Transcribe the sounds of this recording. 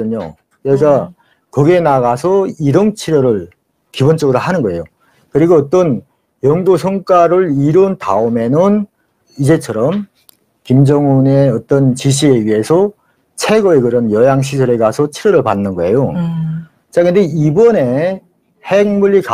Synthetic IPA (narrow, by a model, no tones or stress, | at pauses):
ɯɲo̰ | keɡa | kʌɡenaɡasʰʌiɾʌŋt͡ɕʰiɾjʌɾɯɭ | kibont͡ɕ͈ʌɡɯɾoɦanɯnɡʌe̞̰jo | kɯɾiɡoːt͈ʌn | jʌŋdosʰʌŋk͈aɾɯɭiɾonta̰ume̞nɯn | id͡ʑe̞t͡ɕʰʌɾʌm | kimd͡ʑʌŋuneʌt͈ʌnt͡ɕiɕ̬ʰie̞ɥiɦe̞sʰʌ | t͡ɕʰe̞ɡʌekɯɾʌnjʌjaŋɕ̬ʰisʰʌɾe̞ɡasʰʌt͡ɕʰiɾjʌɾɯɭpanːɯnɡʌe̞jo | t͡ɕ͈akɯnde̞ibʌne̞ | heŋmuɭːika